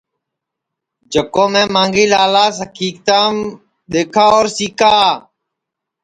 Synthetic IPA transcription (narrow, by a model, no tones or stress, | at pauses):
d͡ʒʱəkoːmẽːmãːŋɡiːlaːlaːsəkʰiːk̚t̪aːm | ɗ̪eːkʰaːoːɾsiːkaː